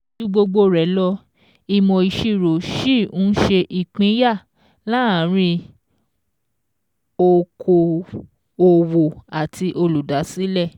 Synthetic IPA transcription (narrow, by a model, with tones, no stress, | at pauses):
u˧ɡ͡bo˧ɡ͡bo˧ɾɛ˨˦lɔ˧ | i˧mɔ̃˧i˧ʃi˦˨ɾo˨ʃi˦˨ũ˦ʃe˧ʔi˨k͡pĩ˨˦ja˦˨ | la˦˨˦ɾ̃ĩ˧ | o˧kʰo˧ | o˧wo˨a˨tʰi˧ʔo˧lu˨da˨˦si˨˦lɛ˦˨